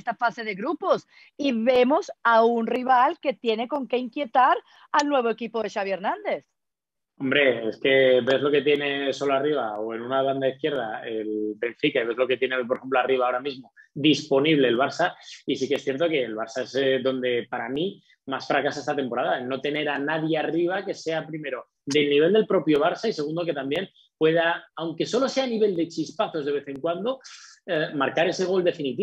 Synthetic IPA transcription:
st̪afase̞ðe̞ɣɾupo̞s | iβe̞mo̞saunriβalke̞t̪je̞ne̞ko̞ŋke̞iŋkje̞t̪aɾ | alnwe̞β̞oekipoðe̞ʃaβjeɾnãnd̪e̞θ | o̞mbɾe̞eske̞βe̞zlo̞ke̞t̪je̞ne̞so̞loariβaoe̞nunaβ̞and̪aiθkje̞ɾð̞aelbe̞ɱfikaiβe̞zlo̞ke̞t̪je̞nepoɾexemploariβ̞aoɾamizmo̞d̪ispo̞niβle̞ːlβaɾsaisikeesθje̞ɾt̪o̞ke̞ːlβaɾsae̞zðo̞nd̪e̞paɾamĩ | masfɾakasaest̪at̪e̞mpo̞ɾaðaenːo̞t̪e̞ne̞ɾanaðjeariβ̞ake̞se̞apɾime̞ɾo̞ | d̪e̞lniβ̞e̞ld̪e̞lpɾo̞pjo̞β̞aɾsaise̞ɣ̞und̪o̞ke̞t̪ambje̞n | pwe̞ðaawŋke̞so̞lo̞se̞aniβ̞e̞ld̪e̞t͡ʃispaθo̞zðeβe̞θe̞ŋkwand̪o̞emaɾkaɾe̞se̞ɣ̞o̞ld̪e̞finit̪i

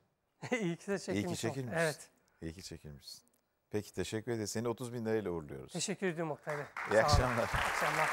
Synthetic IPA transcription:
ijcʰi̥sɛt͡ʃʰeiit͡ʃʰecilmmevɛt̪ | ijcit͡ʃʰe̞cʰilʲmiʃsi̥n | pʰecʰi̥t̪ʰe̞ʃɛcːyɾed̪ise̞nio̞t̪ʰuzbinlʲeɾailʲɛvuɾlˠujo̞̰ɾṵzʰeʃɛcʰːyɾed̪ijomok̚t̪ʰalɪiaʃamlˠaɾakʃamˠaɾ

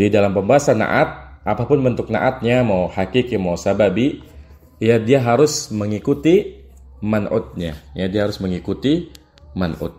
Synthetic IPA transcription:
didalampəmbaɦasana̰ʔat̪̚ʔapapʊnbənt̪ʊk̚na̰ʔat̪̚ɲamawhakikimawsababi | jadiaɦaɾʊsməŋikut̪i | manʔʊ̰t̪̚ɲa̰jadiahaɾʊsməŋikut̪i | manʊ̰t̪̚

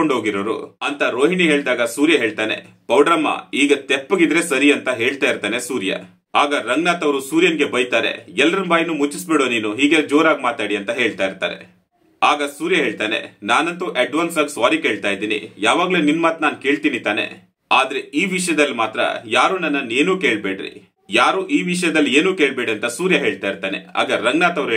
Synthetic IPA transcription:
oɳɖɦoːɡiɾoːɾṵɐnt̪ɐɾo̞ːɦiɳiɦeːɭd̪aːɡɐsuːɾjɐɦe̞ːɭt̪aːne̞̰pɐwɖɾɐmːɐ̰iːɡɐt̪epːɐɡid̪ɾe̞sɐɾiɐnt̪ɐɦe̞ːɭt̪aːjiɾt̪aːne̞suːɾjɐ̰ | aːɡɐɾɐŋɡnaːt̪ɐʋɾusuːɾjɐnɡe̞bɐjt̪aːɾḛɛlːɐɾɐnbaːjnuːmut͡ʃːisbeːɽoːniːnuɦiːɡed͡ʒoːɾaːɡmaːt̪aːɽiɐnt̪ɐɦe̞ːɭt̪aːjiɾt̪a̰ːɾe̞̰ | aːɡɐsuːɾjɐɦe̞ːɭt̪aːne̞̰naːnɐnt̪uʔɐɖʋaːnsaːɡsʋaːɾike̞ːɭt̪aːjid̪iːnḭjaːʋaːɡleːninːmaːt̪naːnke̞ːɭt̪iːnit̪aːne̞̰ | aːd̪ɐɾe̞iːʋiʂɐjɐd̪ɐlːimaːt̪ɾɐ̰jaːɾuːnɐnːɐnːe̞ːnuːke̞ːɭbeːɽɾḭ | jaːɾuːʔiːʋiʂɐjɐd̪ɐlːieːnuːke̞ːɭbeːɽɐnt̪ɐsuːɾjɐɦe̞ːɭt̪aːjiɾt̪aːne̞̰a̰ːɡɐɾɐŋɡnaːt̪ɐʋɾ

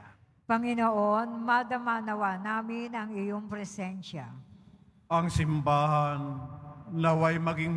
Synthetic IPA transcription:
pɐŋɪnoʔonmɐd̪ɐmanɐwanaːmɪnɐŋɪjoŋpɾɛsɛnʃa | ʔɐŋsɪmbaːɦanː | ɐwajmɐɡɪŋ

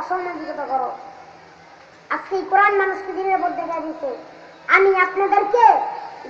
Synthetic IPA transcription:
ɔʃolmebid͡ʑɔt̪akɔɾo | at͡skeejkoɾanmanuʃked̪ineɾpoɾd̪ekʰajd̪isʰe | amiapnad̪eɾke

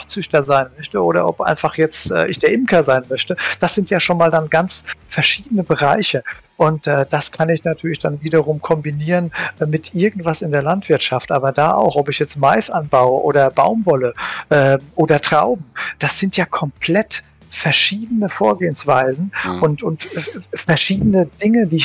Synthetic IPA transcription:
ft͡sʏçtɐzaɪnmœçtəʔoːɾɐ̰ʔɔpʔa̰ɪnfaχjɛt͡stʔɛ̰ːʔɪçd̥eːɐʔɪmkʰɐzaɪnmœçtəd̥asz̥ɪntjaːʃoːnmaːldanɡant͡sfɛɐʃiːdənəbəʁaɪçə | ʔʊntʔɛːd̥askʰanɪçnatʰyːɐlɪçd̥anviːdɐʁ̞ʊmkʰɔmbiniːʁənmɪtʔɪɐɡŋ̩tv̥asɪndeːɐlantv̥ɪɐtʃaftʔaːbɐdaːʔa̰ʊxʔɔpɪçjɛt͡stmaɪsʔanbaʊəʔoːɾɐba̰ʊmvɔləʔɛːmʔoːdɐtʁ̥aʊbm̩d̥asz̥ɪntjaːkʰɔmpʰl̥ɛt | fɛɐʃiːdənəfoːɐɡeːənsv̥aɪzn̩ʊntʊntːfɛɐʃiːdənəd̥ɪŋədiːɪ

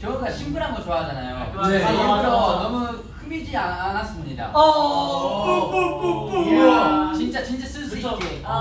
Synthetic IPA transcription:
kjʌɡaɕʰimbuɾɦanɡʌt͡ɕoad͡ʑanajoneaibɾʌnʌmu | ɸɯmid͡ʑiaanas͈ɯmɲida̰ʌ | t͡ɕint͡ɕ͈at͡ɕint͡ɕ͈as͈ɯɭs͈uik͈e

